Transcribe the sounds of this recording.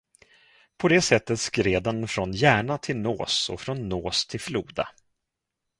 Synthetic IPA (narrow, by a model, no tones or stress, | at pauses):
pʰɔd̪ɛːsɛt̪ːət̪skɾeːd̪ɛnfɾɔnjæːɳat̪ʰɪlnoːsɔ̰fɾɔnːoːst̪ʰɪlfluːd̪a̰